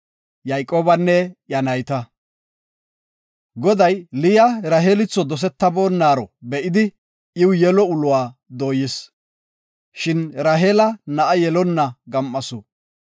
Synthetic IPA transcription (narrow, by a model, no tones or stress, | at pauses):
jɐjkʼoːbɐnːɛjɐnɐjt̪ɐ | ɡɔd̪ɐjlɪjɐɾɐɦeːlɪt͡sːɔd̪ɔs̬ɛt̪ːɐbo̞ːnːaːɾɔbɛʔɪd̪ɪ | ʔɪwjɛlɔʊlʊwaːd̪oːjɪs | ʃɪnɾɐɦeːlɐnɐʔɐjɛlɔnːɐɡɐmʔːɐsɔ